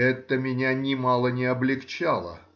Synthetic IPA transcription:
ɛt̪ːəmʲɪnʲanʲɪmɑlˠənʲɪɐblʲɪkt͡ɕalˠə̰

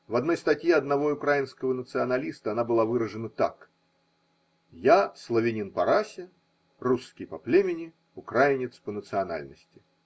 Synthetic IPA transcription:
vɐd̪no̞jst̪ɐtʲjeɐd̪nɐvo̞ʊkɾajɪnskəvənət̪sɨɐnɐlʲist̪əɐnabɨlˠavɨɾəʐɨnət̪ak | jaslˠəvʲɪnʲinpɐɾasʲɪ | rusːkʲɪjpɐplʲemʲɪnʲɪ | ʊkɾajɪnʲɪt̪spənət̪sɨɐna̰lʲnəsʲtʲɪ̥

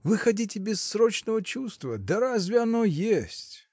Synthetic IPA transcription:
vɨxɐdʲitʲɪbʲɪsːɾo̞t͡ɕnəvət͡ɕust̪vəd̪əɾazʲvʲɪɐno̞jesʲtʲ

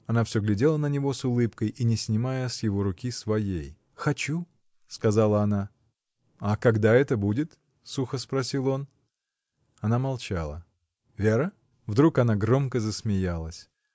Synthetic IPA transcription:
ɐnafsʲɵɡlʲɪdʲe̞lˠənənʲɪvo̞sʊlˠɨpkəjʔinʲɪsʲnʲɪmajəsjɪvo̞ɾʊkʲisvɐjḛj | xɐt͡ɕu | skɐzalˠəɐna | akɐɡd̪aɛt̪əbudʲɪt̪ | suxəspɾɐsʲilˠo̞n | ɐnamɐlˠt͡ɕa̰lˠə̰ | vʲeɾə | vd̪ɾukɐnaɡɾo̞mkəzəsmʲɪjalˠəsʲ

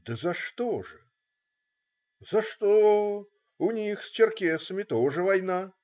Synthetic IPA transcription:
d̪ɨzɐʂt̪ɔʐɨ | zɐʂt̪ɔ | unʲixsʲt͡ʃʲɛrkʲɛsɐmʲit̪ɔʐɨvajna

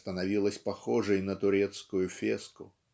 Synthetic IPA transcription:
t̪ənɐvʲilˠəsʲpɐxɔʐɨjnət̪ʊɾʲɛt̪skʊjʊfʲeskʊ

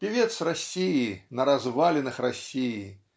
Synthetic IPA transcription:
pʲivʲɛt̪srasʲijinɐɾazvalʲɛnɨxrasʲiji

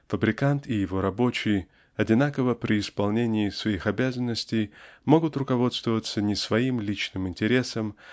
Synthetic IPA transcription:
fəbɾʲɪkant̪ʰɪjɪvo̞ɾɐbo̞t͡ɕɪj | ɐdʲɪnakəvəpɾʲʔɪɪspɐlˠnʲenʲɪːsvɐixɐbʲazənːəsʲtʲɪjmo̞ɡʊt̪rʊkɐvo̞t̪st̪vəvət̪sənʲɪsvɐimlʲit͡ɕnɨmɪnʲtʲɪɾʲe̞səm

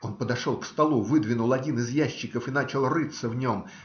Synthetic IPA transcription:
o̞npəd̪ɐʂo̞lˠkst̪ɐlˠuvɨd̪vʲɪnʊlˠɐdʲinɨzjæɕːɪkəfɨnat͡ɕɪlˠrɨt̪səvnʲo̞m

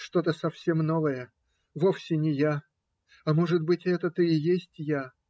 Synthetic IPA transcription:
ʂt̪o̞t̪əsɐfsʲe̞mno̞vəjə | vo̞fsʲɪnʲɪja | ɐmo̞ʐɨt̪̚bɨtʲɛt̪ət̪ɨɪjesʲtʲja

